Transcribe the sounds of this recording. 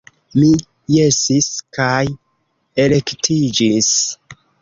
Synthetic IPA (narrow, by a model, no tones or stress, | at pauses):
mi | jesiskaj | e̞le̞ktʰid͡ʒis